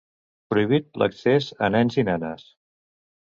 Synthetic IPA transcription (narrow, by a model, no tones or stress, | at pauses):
pɾuiβ̞it̪̚lə̰ksezə̰nɛnzinɛnəs